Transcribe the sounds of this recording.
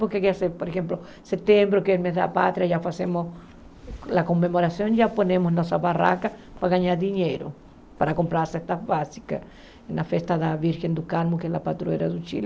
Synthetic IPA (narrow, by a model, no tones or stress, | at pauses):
pokekeaseɾpoɾexẽmplo | set̪ẽmbɾokeemezða̰pa̰t̪ɾjaʒafasemos | lakomːemoɾasjõŋd͡ʒaponẽmosnosaβara̰kapaɣaɲaɾd̪iɲeɾo̰ | paɾakompɾaɾsest̪aβasi̥ka̰ | enafest̪aðaβiɾxend̪ukalmokelapat̪ɾueɾaðut͡ʃḭl